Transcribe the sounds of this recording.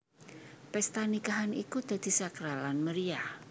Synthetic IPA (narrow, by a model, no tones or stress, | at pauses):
pɛst̪anikaɦanikud̪̥a̤d̪̥i̤sakɾalanməɾiah